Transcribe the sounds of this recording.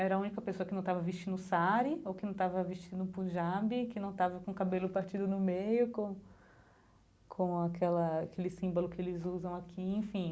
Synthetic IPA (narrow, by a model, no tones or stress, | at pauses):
ɛɾɐaũnikɐpesoɐkɪnɐ̃w̃t̪avɐviʃt͡ʃĩnʊsaɾɪowkɪnɐ̃w̃t̪avɐviʃt͡ʃĩnd̪ʊpuʒabɪkɪnɐ̃w̃t̪avɐkõkabelʊpaɾt͡ʃid̪ʊnʊmejʊkõ | kʰõakʰɛlɐkelɪsĩmbolʊkɪelɪzuzɐ̃w̃akʰiẽfĩ